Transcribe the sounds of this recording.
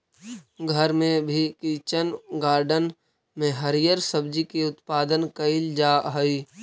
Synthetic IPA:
ɡʱəɾmẽbʱikit͡ʃənɡaːɾɖən | mẽɦɐɾijəɾsəbd͡ʒikeʊt̪paːd̪ənkɐɪld͡ʒaːɦəi

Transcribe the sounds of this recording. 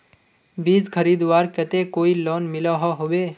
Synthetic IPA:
biːd͡zkʰəɾiːd̪ʋaːɾkət̪ekoːiloːnmɪlaɦaɦobeː

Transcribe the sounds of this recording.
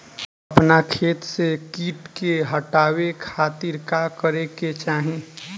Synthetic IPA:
əpnakʰeːt̪sekiːʈkeɦəʈaːwekʰaːt̪ɪɾkakəɾeket͡ʃaːɦẽ

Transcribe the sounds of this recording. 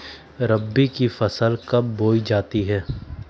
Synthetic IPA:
ɾɐbːikifɐsəlkɐbːoːid͡ʒaːt̪iɦɛː

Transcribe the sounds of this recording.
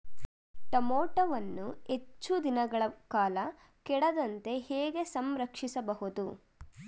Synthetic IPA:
ʈɐmoːʈɐʋɐnːuet͡ʃːud̪inɐɡɐɭɐkaːlɐ | kɛɽɐd̪ɐnt̪e̞hɛːɡe̞sɐmɾɐkʂisɐbɐɦud̪u

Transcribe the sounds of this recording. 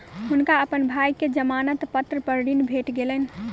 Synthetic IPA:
ɦunkaəpənbʱajked͡ʒəmanət̪pət̪ɾəpəɾɖinbʱeʈɡelɛnĭ

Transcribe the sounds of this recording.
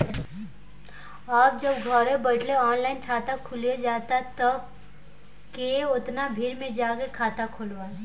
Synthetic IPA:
aːb̚d͡ʒəbɡʱɔɾẽbəʈleɔːnlaːɪnʈʰaːt̪akʰʊlied͡ʒaːt̪at̪ɐ | keʊt̪nabʱiːɾmẽd͡ʒaːkekʰaːt̪akʰʊlʋaː

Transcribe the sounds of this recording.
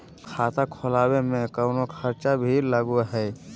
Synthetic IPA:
kʰat̪akʰolabemekəwnokʰəɾt͡ʃabʱiləɡuɦɛɪ

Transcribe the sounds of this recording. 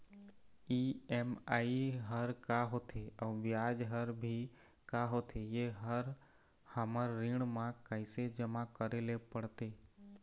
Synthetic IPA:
iemaiɦəɾkaɦot̪ʰeəʋjad͡ʒɦəɾbʱi | kaɦot̪ʰejeɦəɾ | həməɾːɪ̃ɳmãkaɪsed͡ʒəmãkəɾelepəɽt̪e

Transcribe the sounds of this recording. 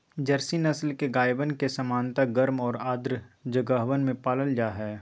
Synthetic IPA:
d͡ʒɐɾsinɐslkeɡaːjbənkesɐmaːnt̪aɡɐɾmɔːɾaːd̪ɾd͡ʒəɡəɦʋənmẽpaːləld͡ʒaːɦɛː

